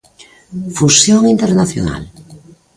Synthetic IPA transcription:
fusjoŋint̪eɾnaθjo̰na̰l

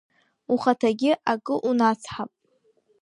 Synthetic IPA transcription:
uχatʰaɡʲɪʔakʼɨʔunat͡sʰħapʼ

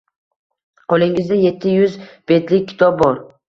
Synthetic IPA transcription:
qʰolˠɪŋɪzd̪aje̞t̪ʰːɪjʊzb̥e̞t̪lɪk̚ʲʰːɪ̥t̪ʰɒb̚bɒɾ

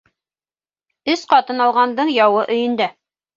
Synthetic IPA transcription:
ɵsqɑt̪ɤnɑlˠʁɑnd̪ɤɴjɑwɤʔɵ̆jɘ̆nd̪æ

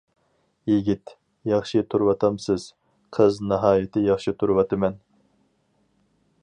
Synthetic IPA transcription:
jiɡʲit̪ | jɑχʃit̪ʰuɾwɑt̪ʰɑmsɨz̥ | qʰəznɑɦɑːjɪt̪ʰɪjɑχʃit̪ʰuɾwɑt̪ʰɨmɛn

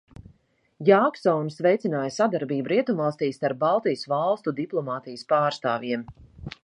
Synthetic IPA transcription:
jaːksɔnsvɛjt̪sinaːjəsad̪aɾbiːbuɾiɛt̪umvɑlˠst̪iːst̪aɾp̚balˠt̪ijsvalˠst̪ud̪iplˠɔmaːt̪ijəspaːɾst̪aːvʲjiɛm

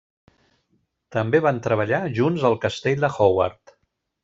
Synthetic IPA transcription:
t̪əmbeβant̪ɾəβ̞əʎaʒunzəlˠkəst̪eʎʲd̪əxowa̰ɾt̪

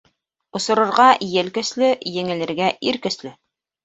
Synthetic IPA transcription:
ŏsŏɾŏɾʁɑjɘlkɵ̆slɵjɘ̆ŋɘ̆lɘ̆ɾɡæʔiɾkɵ̆slɘ

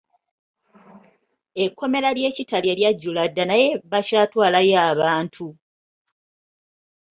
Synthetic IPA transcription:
e̞kːo̞me̞lalje̞ːcitaljeljaɟːuladːanaje̞βacaːtwaːlajaːβaːntʰu

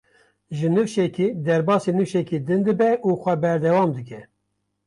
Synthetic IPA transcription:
ʒɨnɨwʃɛkiːd̪ɛɾbɑːsinɨfʃɛkid̪ɨnd̪ɨbɛʔuxʷɛbɛɾd̪ɛwɑːmd̪ɨkɛ

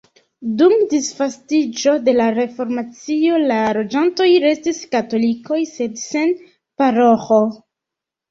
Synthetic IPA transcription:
dumdisfastid͡ʒo̞de̞laɾe̞fo̞ɾmat͡sio̞laɾo̞d͡ʒanto̞jɾe̞stiskato̞liko̞jse̞dse̞n | paɾoxo

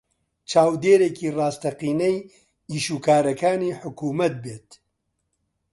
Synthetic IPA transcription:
t͡ʃʰaːwd̪eːɾeːkʰiːraːst̪ɐqiːnɐj | iːʃuːkaːɾɐkaːniːħʊkuːmɐt̪̚beːt̪

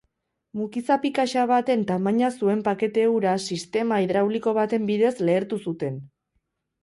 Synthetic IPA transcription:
mukisapikaʃaβat̪e̞nt̪amaɲasue̞mpake̞t̪euɾasist̪e̞maiðɾawliko̞β̞at̪e̞mbiðe̞sle̞ːɾt̪usut̪e̞n

